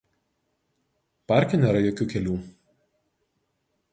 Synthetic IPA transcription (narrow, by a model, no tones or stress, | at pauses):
pɑˑɾʲkʲɛnʲeːɾɐjoːkʲuːkʲɛlʲuː